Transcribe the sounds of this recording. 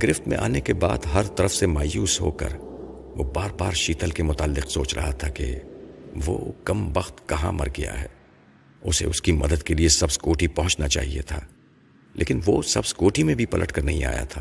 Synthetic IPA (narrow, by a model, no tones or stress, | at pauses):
ɡɾɪft̪mḛ̃ʔaːnekebaːd̪ɦɐɾt̪ɐɾəfsemaːjuːsɦo̰ːkɐ̰ɾ | ʋobaːɾbaːɾʃiːt̪ʰəlkemʊt̪aːlːɪqsoːt͡ʃɾɐ̰ɦat̪ʰakḛ | ʋo̰ːkɐmbɐxt̪kɐɦã̰mɐ̰ɾɡɐja̰ɦɛ̰ː | ʊsḛʊskimɐd̪əd̪̚keliesɐbsɡoːʈʰipɐ̃ɦʊ̃t͡ʃnat͡ʃa̰ːɦiḛt̪ʰaː | lʔḛːkɪnʋosɐbsɡoːʈimẽbʱipɐlʔəʈkɐɾnɐɦĩa̰ːja̰t̪ʰaː